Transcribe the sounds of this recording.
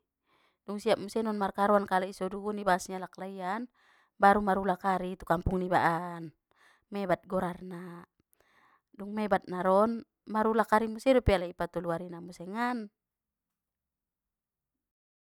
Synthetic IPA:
duŋsiap̚musɛnɔnmarkaɾɔankalaisɔdunibaːsɲalaklaian | baɾumaɾulakaɾit̪ukampuŋniba̰ʔan | mɛbat̪̚ɡɔɾarna | duŋmɛbat̪̚naɾɔn | maɾulakaɾimusɛdupɛalaipat̪ɔluaɾinamusɛŋan

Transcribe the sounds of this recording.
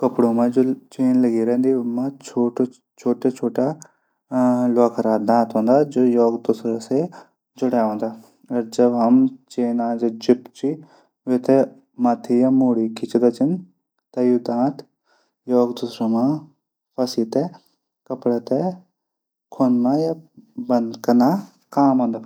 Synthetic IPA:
kəpɽoːmãːd͡ʒoːt͡ʃeːnləɡiːɾẽːnd̪iːmãt͡ʃʰoːʈ | t͡ʃʰoːʈeːt͡ʃʰoːʈaː | laːkʰɾaːd̪ãːt̪ɦõːnd̪aːd͡ʒoːjɔːɡd̪ʊsɾaːse | d͡ʒʊɽaːõːnd̪aː | əɾd͡ʒəbɦəmt͡ʃeːnãːd͡ʒed͡ʒɪpt͡ʃiː | ʋet̪e | mɐt̪ʰijamuːɽikɪt͡ʃd̪ɐt͡ʃin | t̪ɐjud̪ãːt̪ | joːɡd̪usɾamã | pʰɐsit̪e | kɐpɽat̪e | kʰonmajabɐnd̪kɐna | kaːmɦõːnd̪aː

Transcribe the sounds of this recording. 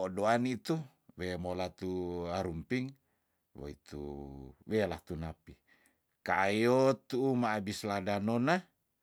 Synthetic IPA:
ɔdoanit̪u | wɛmolat̪uaɾumpiŋ | wo̰ḭt̪ṵwɛlaht̪unapi | kaːjot̪uːmaːbisladanona

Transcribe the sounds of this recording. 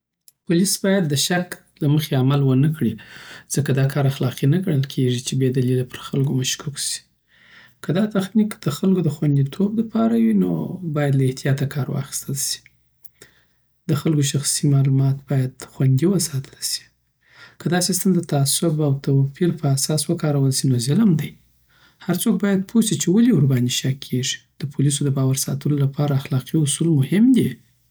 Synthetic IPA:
pʊlisbɑjad̪̚ːəʃak | laməxeamalwənəkɽiz̥əkad̪ɑkʰɑɾaxlɑqinaɡəɽəlkʰeʐit͡ʃebed̪alilapəɾxalɡomaʃkuksi̥ | kʰəd̪ɑt̪axnikd̪̥əxalɡod̪əxwand̪it̪ʰob̚lapʰɑɾawino̰bɑjad̪laɪht̪ijɑt̪akʰɑɾwɑ̰xi̥st̪əlsi̥ | d̪əxalkoʃ̬axsimɑlumɑt̪b̥ɑjad̪xwand̪iwəsɑt̪ʰə̥lsi̥ | kəd̪ɑsist̪əmd̪ət̪aasʊbawt̪awpiɾpəasɑswəkɑɾawəlsinozɪlmd̪aj | haɾt͡sok̚bɑjad̪̚pʰosit͡ʃewaliʊɾbaniʃakʰːeʐi̥d̪̥əpʰʊlis̬od̪əbɑwaɾsɑ̰t̪əlolapʰɑɾaːxlɑqiʊsulmʊhɪmd̪i

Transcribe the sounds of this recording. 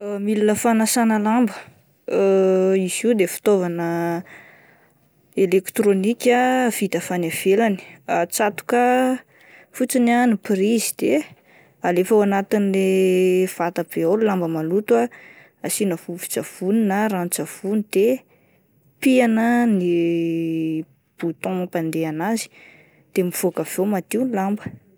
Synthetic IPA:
milinəfanasanəlambə | iziwd̪efi̥t̪ovanə | elekt̪ronikʲav̥it̪afanav̥elani̥at͡sat̪u̥kə | fut͡sinanipɾizid̪e | alefawanat̪inilev̥at̪ab̥eallambəmalut̪wa | asinəfuvi̥t͡sav̥uninərant͡sav̥unid̪̥e | pianəni | b̥ut̪ɔ̃pand̪eanazi̥ | d̪̥emiv̥okav̥ewmat̪iwnilambə̥

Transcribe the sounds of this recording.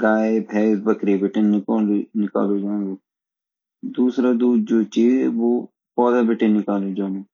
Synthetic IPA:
ɡaːebʰʱɛːbəkɾibɪʈeɪkoːlinɪka̰ːlod͡ʒaːnɡoː | d̪uːsɾad̪uːd̪̚d͡ʒoːt͡ʃiːzɛʋoː | pɔːd̪abɪʈẽnɪkaːlod͡ʒãːnɡo

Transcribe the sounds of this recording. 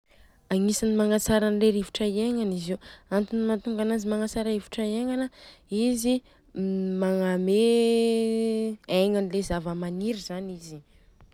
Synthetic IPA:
aŋisinimaŋat͡saɾanleɾivuʈ͡ʂaieŋaniziwant̪inimant̪uŋɡanazimaŋat͡saɾaivuʈ͡ʂaieŋanəizi | maŋame | eŋanilezavəmaniɾizanizi

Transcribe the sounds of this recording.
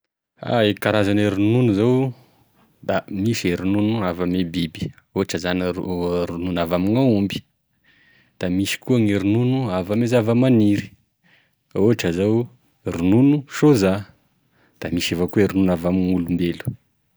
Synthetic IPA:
a̰ekaɾazaneɾununuzaw | d̪̥amiʃeɾununuavamebibi̥ | oaʈ͡ʂəzanɾununavamiŋaumbi̥ | d̪̥amiʃi̥kuaŋiɾununuavamezavamaniɾi̥ | oɦaʈ͡ʂəzaw | ɾununuʃoza | d̪̥amiʃevakueɾununavamiŋulumbelu̥

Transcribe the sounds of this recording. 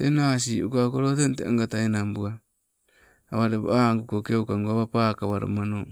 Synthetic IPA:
tenas̬iukakoɾotentea̰ŋɡataenambua | aβaɾeβ̰aŋɡukokeukaŋɡuaβapakaβaɾo̰mano

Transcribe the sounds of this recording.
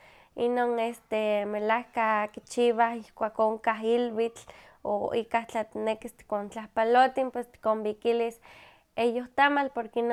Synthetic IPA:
inoːnest̪emelahkakit͡ʃiβaihkʷaːkoŋkaɦilwit͡ɬ | o̰ikaht͡ɬat̪inekist̪i̥kont͡ɬahpalot̪inpwest̪i̥kombikilis | ejoht̪amalpoɾkein

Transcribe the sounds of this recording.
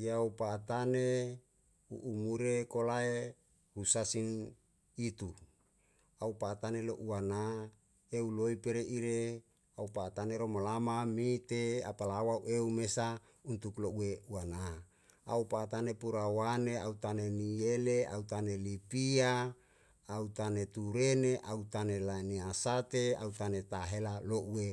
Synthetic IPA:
jaupaːt̪ane | ṵʔːmuɾekolae | husasin | it̪u | aupaːt̪aneloʔuana | euloipeɾeʔiɾe | aupaːt̪aneɾomolamamit̪ea̰palawauʔeumesa | unt̪ukloʔuweuana | a̰upat̪anepuɾawaneaut̪anenielea̰ut̪anelipiaː | ut̪anet̪uɾeneʔaut̪anelainiasat̪ea̰ut̪anet̪aɦelaloʔue

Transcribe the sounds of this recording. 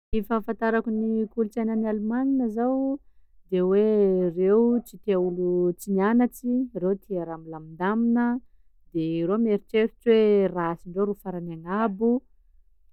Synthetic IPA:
efafant̪aɾakunikulut͡sajnanalumaŋinəzawd̪ewerewt͡sit̪eaulut͡sinianat͡sirewt̪ʰiaɾamilamind̪aminə | d̪eiɾomeɾiʈ͡ʂeɾi̥t͡swerasiɳɖ͡ʐoɾufaɾanaŋabu

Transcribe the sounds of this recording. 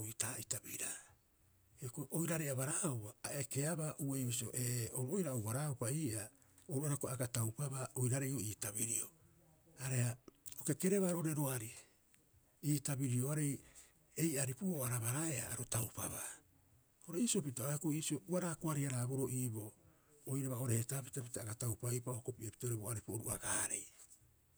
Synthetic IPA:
itaːitabiɾa | ekoʔojɾaɾejaβaɾaupaːʔeke̞aβaʔuejβisioʔeoɾuojɾaowβaɾaupaiːʔa | oɾuaɾekoaɡatawpaβaojɾaɾejo̞iːtabiɾio | aɾe̞haokeke̞ɾeβaɾoɾeɾo̞aɾi | iːtabiɾio̞aɾe̞j | e̞jʔaɾipuoaɾaβaɾaeʔa̰aɾotawpa̰βaː | oɾeiːsiopitoaekoiːsiouaɾaːkoaɾihaɾaːbo̞ɾo̞ʔiːbo̞ː | jɾaβao̞ɾehetapitapitaaɡatawpaipahoko̞piʔepi̥tooɾeboaɾipuoɾuʔa̰ɡaːɾe̞̰j

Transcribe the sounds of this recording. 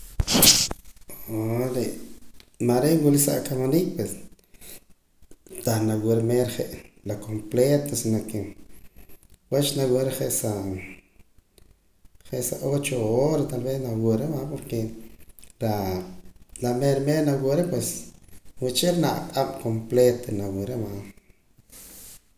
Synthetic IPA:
ɾeʔmaɾewulisa̰ʔkamanik̚pwes | t̪aχnawuɾemeɾχeʔlakʰomplet̪osinokːe | wet͡ʃnawuɾeχeʔsa | χeʔsaʔot͡ʃooɾat̪alβesnawuɾemapoɾke | ɾa | nameɾmeɾnawuɾepweswit͡ʃeɾnaʔqʼamkomplet̪onawuɾema

